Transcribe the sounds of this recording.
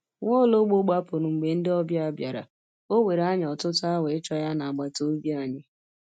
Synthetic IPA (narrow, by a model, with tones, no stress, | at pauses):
ŋʷɔ˦˨lo˦ɡ͡bo˦ɡ͡ba˦pʊ˨ɾʊ˨ŋ͡m̩˨ɡ͡be˨n̩˦dɪ˦ɔ˦bja˦a˨bja˨ɾa̰˨ | o˦we˨ɾa˦ɲ˨ɔ˨tʊ˦tʊ˦a˦we˨ɪ˦t͡ʃɔ˦ja˦na˨a˨ɡ͡ba˨to˦bi˦a˦˨ɲɪ˨